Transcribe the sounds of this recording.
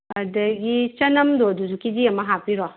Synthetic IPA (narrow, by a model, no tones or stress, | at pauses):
adaɡit͡ʃanamdoduzukid͡ʒijamaɦapiɾɔ